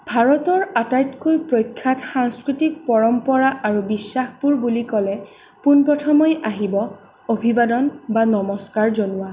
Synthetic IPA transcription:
bʱaɹɔtɔɹatajtkojpɹojkʰːatxaŋskɹitik̚pɔɹɔmpɔɹaʔaɹubisːaxbuɹbulikɔlɛ | punpɹɔtʰɔmɔjʔaɦibɔ | obʱibadɔnbanɔmɔskaɹzonʊwa

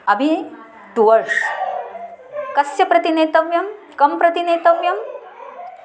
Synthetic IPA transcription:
ɐbʱi | d̪uʋɐɾʂ | kɐsjɐpɾɐt̪ineːt̪ɐʋjɐm | kɐmpɾɐt̪ineːt̪ɐʋjɐm

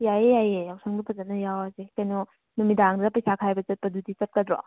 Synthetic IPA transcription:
jajejajejawsʰaŋbɐpʰɐzɐt̚nɐjawazekɐjnɔ | numidaŋdɐpɐjsakʰajbɐt͡ʃɐt̚pɐdudit͡ʃɐt̚kɐdɾɔ̰

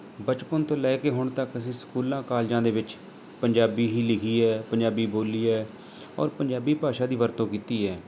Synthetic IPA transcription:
bət͡ʃpənt̪õːlɛːkeːɦʊɳt̪əkəsĩːskuːlãːkaːld͡ʒãːd̪eːʋɪt͡ʃ | pəɲd͡ʒaːbiːɦiːlɪkʰiːɛːpəɲd͡ʒaːbiːboːliːɛː | ɔ̰ːɾpəɲd͡ʒaːbiːpaːʃaːd̪iːʋəɾt̪õːkiːt̪iːɛː

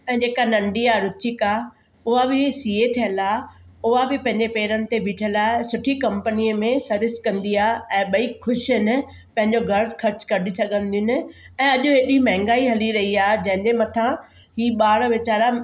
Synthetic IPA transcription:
ɛ̃ːd͡ʑeːkanɐ̃ɳɖiaːɾʊt͡ɕɪka | ʊɦabɪsiːet̪ʰijə̃nla | ʊɦabɪpɐ̃ɦɪ̃ɲd͡ʑepeːɾənɪ̆t̪ebʱiːʈʰəlaːɪsʊʈʰikɐ̃mpəniəmẽsɐɾɪskɐ̃nd̪iaːɛ̃ːɓɐikʰːʊʃɦɪnɪ̆ | pɐ̃ɦɪ̃ɲd͡ʑoɡʱɐɾkʰɐɾt͡ɕkɐɖisɐɡʱə̃nd̪ijʊnɪ̆ | ɛ̃ːɐʄʊɦeːɗimɛ̃ɦɪ̃ŋɡaːiɦɐliɾɐɦiaːɦed͡ʑɐ̃ɦɪ̃ɲd͡ʑemɐt̪ʰã | hiːɓaːɽʋɪt͡ɕaːɾa

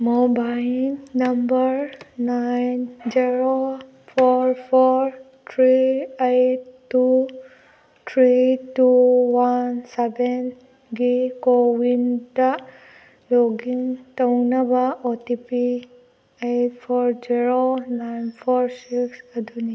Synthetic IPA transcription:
mɔbajiŋnambəɹnajnd͡ʒiɹo | pʰɔɹpʰɔɹ | tʰɹiejttːu | t̪ʰɹituwansɛbɛn | ɡekowinta | loɡiŋtɔwnabaɔtipi | ejtpʰɔɹd͡ʒiɹonajnpʰɔɹsiksəd̪ʱuni

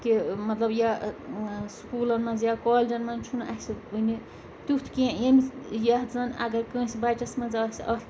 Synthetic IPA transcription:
kimɐt̪lɐbja | skuːlɐnmɐnzjakaːlʲd͡ʒɐnmɐnt͡ʃʰunʔɐhsiuni | t̪ut̪ʰkẽjɐmijaɦzɐnɐ̰ɡɐɾkə̃ːsibaːt͡ʃɐsmɐnzɐːsʲɐl

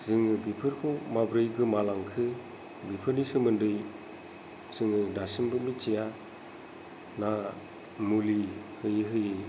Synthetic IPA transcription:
z̥ɯŋɯbipʰɯɾkʰowmabɾɯjɡɯmalaŋkʰɯ | bipʰɯɾnisɯmɯndɯj | z̥ɯŋɯdasɯmbɯmit͡ʃija | na | muli | hɯjɯɦɯjɯ

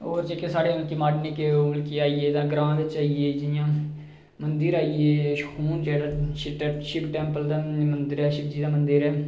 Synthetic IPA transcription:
oːɾt͡ʃekesaːɽeːʊlkiːmaːɖniːkelkiːaːiːeːd̪ãːɡɾãːʋɪt͡ʃaːieːd͡ʒɪjãː | mənd̪əɾaːieːʃəkʰuːnd͡ʒɛːɽaʃɪʈːʃɪpʈɛ̃ːmpəld̪aːmənd̪əɾɛːʃɪp̚d͡ʒiːd̪aːmənd̪əɾɛː

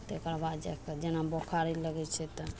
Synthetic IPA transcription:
t̪ekɾabad̪d͡ʒɛked͡ʒenabokʰaɾɛləɡɛt͡ʃʰɛt̪ɔ

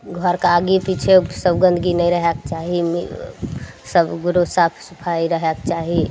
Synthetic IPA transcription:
ɡʱɔɾkaaɡipit͡ʃʰesəbɡə̃nd̪ʱɡinəĩɾəɦɛkt͡ʃaɦim | səbɡuɾosapʰsupʰaiɾəɦɛkt͡ʃaɦi

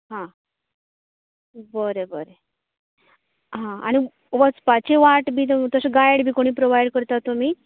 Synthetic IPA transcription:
ɦã | bəɾebəɾe | ɦãa̰ɽ̃i | ʋət͡spat͡ɕeʋaʈbʱiːt̪t̪əsəɡajɽbʱiːkoɽ̃iːpɾoʋajɽkəɾt̪at̪ːum̤iː

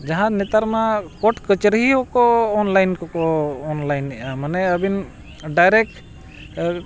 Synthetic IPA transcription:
d͡ʒaɦãnɛt̪aɾmakɔʈkət͡ʃɾəɦiɦɔkɔːnlajnkɔkɔːnlajnːiʔamanɛəbin | ɖajɾɛk̚ʈ

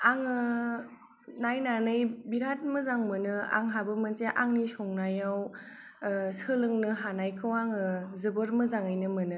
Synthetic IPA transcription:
aŋɯ | najnanɯjbiɾat̚mɯzaŋmɯnɯa̰ŋɦabɯmɯnseʔaŋnisɔŋnajaw | sɯlɯŋnɯɦanajkʰɯwaŋɯzɯbɯɾmɯzaŋɯjnɯmɯnɯ

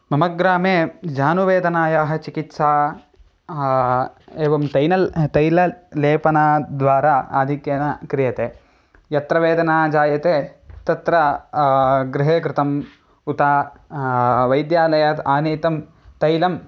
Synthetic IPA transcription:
mɐmɐɡɾaːmeːd͡ʒaːnuʋeːd̪ɐnaːjaːɦɐ̆t͡ʃikit̪saː | eːʋɐmt̪ɐjnɐlt̪ɐjlɐleːpɐnaːd̪ʋaːɾaːa̰ːd̪ʱikjɐnɐkɾijɐt̪eː | jɐt̪ɾɐʋeːd̪ɐnaːd͡ʒaːjɐt̪eːt̪ɐt̪ɾɐ | ɡɾɪɦeːkɾɪt̪ɐm | ut̪aː | ʋɐjd̪jaːlɐjɐt̪aːniːt̪ɐm | t̪ɐjlɐm

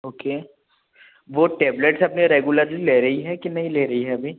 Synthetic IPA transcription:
oːkeː | ʋoʈɛːbleʈsɐpneɾeːɡuləɾlileːɾɐɦiɦɛkinɐɦĩleːɾɐɦiɦɛɐbʱiː

